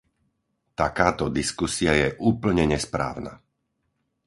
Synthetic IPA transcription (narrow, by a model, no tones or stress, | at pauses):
t̪akaːt̪ɔd̪iskusiajɛʔuːpl̩ɲɛɲɛspɾa̰ːʊna̰